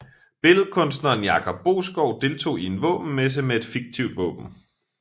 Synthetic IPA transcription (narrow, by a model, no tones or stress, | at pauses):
b̥e̝lð̩ˠkʰɔ̽ns̬d̥nɐnjɑ̈kʰɒ̽b̥̚ːo̝̰ːsɡ̥ɒʊ̰d̥e̝lt͡sʰo̝̰ːie̝nʋɔ̰̽ːb̥n̩mes̬imeed̥fiɡ̥̚t͡sʰiʊ̰d̥ʋɔ̰̽ːb̥n̩